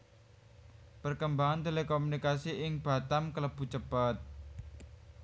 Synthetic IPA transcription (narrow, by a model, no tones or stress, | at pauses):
pərkəmbaŋant̪elekomunikasiʔɪŋb̥a̤t̪amkələb̥ṳt͡ʃəpət̪̚